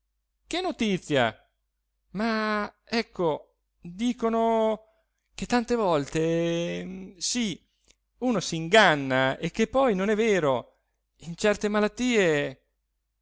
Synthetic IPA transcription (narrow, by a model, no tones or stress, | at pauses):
k̟enːot̪it̪sːja̰ | maɛkːo | d̪iːkono | k̟et̪ːant̪evɔlt̪e | si | uːnosiːŋɡanːaekːepːɔjnonɛvːeːɾo | int͡ʃɛrt̪emalat̪ːiːe